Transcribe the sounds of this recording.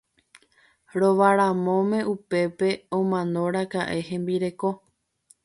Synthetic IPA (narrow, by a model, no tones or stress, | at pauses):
ɾo̞ʋaɾamõ̞mẽ̞upe̞pe̞õmãnõ̞ɾakaʔe̞hẽ̞mbiɾe̞ko̞